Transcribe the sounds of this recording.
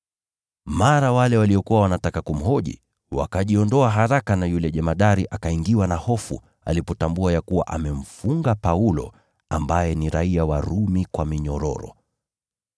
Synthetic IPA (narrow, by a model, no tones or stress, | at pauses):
maɾawalɛwaliɔkuwawanatakakum̩ɦɔʄḭ | wa̰kaʄiɔndɔaɦaɾakanajulɛʄɛmaɗaɾiʔakaiŋɡiwanahɔfṵ | a̰lipɔtambuajakuwa̰ʔamɛm̩fuŋɡapaulɔ̰ | ambajɛniɾaiawaɾumikwamiɲɔɾɔ̰ɾɔ̰